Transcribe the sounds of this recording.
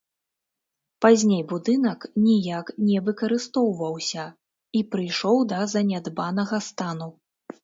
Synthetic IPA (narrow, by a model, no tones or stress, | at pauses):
pazʲnʲejbud̪ɨn̪ɐknʲijaknʲɛvɨkɐɾɨst̪ɔwvɐwsʲɐ | ipɾɨjʂɔwd̪ɐzɐnʲad̪banɐɣɐst̪anu